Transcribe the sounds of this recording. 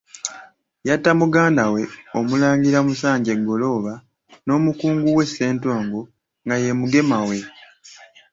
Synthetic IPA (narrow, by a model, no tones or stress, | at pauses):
jatːamuɡaːndawe̞o̞mulaːŋɡiɾamusaːɲɟe̞ɡːo̞lo̞ːβa | no̞ːmukuːŋɡuwe̞sːe̞ːntoːŋɡo | ŋɡaje̞muɡe̞mawe̞